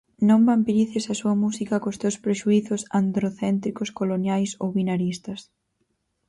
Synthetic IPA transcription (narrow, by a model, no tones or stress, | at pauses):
nõmbampiɾiθɪsɐsuɐmusikɐkost̪ewspɾeʃuiθʊsand̪ɾoθɛnt̪ɾikʊskolonjajsowβinaɾist̪ɐs